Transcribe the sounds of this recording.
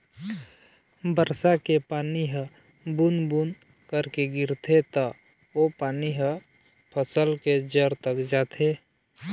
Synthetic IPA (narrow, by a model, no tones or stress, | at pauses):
bəɾsakepaːniɦə̃bunbunkəɾkeɡɪɾt̪ʰet̪ə | opaːniɦə̃ | pʰəsəlked͡ʒəɾt̪əkd͡ʒaːt̪ʰe